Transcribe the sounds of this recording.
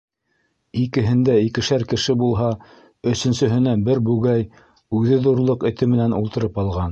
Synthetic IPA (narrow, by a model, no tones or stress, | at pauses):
ikɘ̆ɦɘ̆nd̪æikɘ̆ʃæɾkɘ̆ʃɘbulˠɦɑ | ɵ̆sɵ̆nsɵ̆ɦɘ̆næbɘɾbʉɡæj | ʉðɘðuɾlˠɤqɘ̆t̪ɘmɘ̆nænulˠt̪ɤ̆ɾɤpɑlˠʁɑn